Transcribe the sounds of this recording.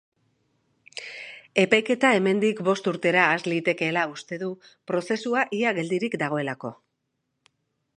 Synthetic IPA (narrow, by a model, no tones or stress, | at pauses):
e̞pajke̞t̪ae̞me̞nd̪ikbo̞st̪uɾt̪e̞ɾaːzlit̪e̞ke̞laust̪e̞ðu | pɾo̞se̞suaʔiaɣe̞ld̪iɾikd̪aɣ̞o̞e̞lako̞̰